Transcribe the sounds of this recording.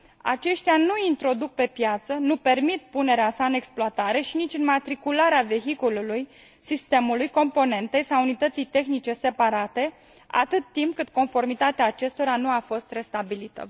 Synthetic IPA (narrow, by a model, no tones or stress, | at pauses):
a̰t͡ʃe̞ʃt̪eanuint̪ɾo̞d̪uk̚pe̞pjat̪sənupe̞rmit̪̚pune̞ɾeasaɨne̞ksploat̪aɾe̞ʃinit͡ʃʲɨnmat̪ɾikulaɾeave̞ɦikoluluj | sist̪e̞mulujko̞mpo̞ne̞nt̪e̞jsaunit̪ət̪sijt̪e̞xnit͡ʃe̞se̞paɾat̪e̞ | a̰t̪ɨt̪ːimp̚kɨt̪ko̞nfo̞rmit̪at̪eaːt͡ʃe̞st̪o̞ɾanuafo̞st̪re̞st̪abilit̪ə̰